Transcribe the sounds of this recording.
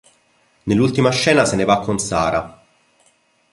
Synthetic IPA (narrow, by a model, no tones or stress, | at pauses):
nelːult̪imaʃːɛːnasenevakːonsaːɾa